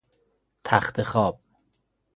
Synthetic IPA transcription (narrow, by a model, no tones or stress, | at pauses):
t̪ʰæχt̪ʰexɒːb̥̚